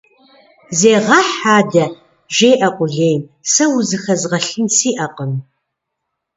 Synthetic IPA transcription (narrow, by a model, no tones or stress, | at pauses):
zeːʁɐħaːdɐ | ʒeːʔɐqʷʼʊɮeːjmsɐwzɨxɐzʁɐɬɨnsiːʔɐqʼəm